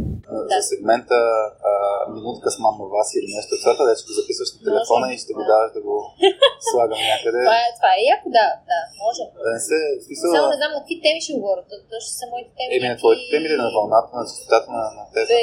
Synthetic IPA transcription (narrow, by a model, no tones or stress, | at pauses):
ɐsɛɡmɛnt̪əː | minut̪kəsmamːɐvasilinɛʃt̪ɛt̪saɾt̪əvɛt͡ʃɛ̥ɡ̪ozɐpisvəʃnɐt̪ɛlɛfɔnɐiʃt̪ɛɡod̪avɐʃd̪ɐɡoslˠaɡəmnʲjakəd̪ɛvaat̪vaɛjakʊd̪ad̪amɔʒɛd̪ɐnɛsɛsmisəlˠnɛd̪amnɐkvit̪ɛmiʃiɡovɔɾət̪ət̪ɔʃt̪o̥sɐmɔit̪ɛ̥t̪ɛɛminɛt̪vɔit̪ɛ̥t̪ɛmit̪ɛnɐvɐlˠnat̪ənɐt͡ʃst̪o̥t̪at̪ənɐnɐt̪ɛpɛ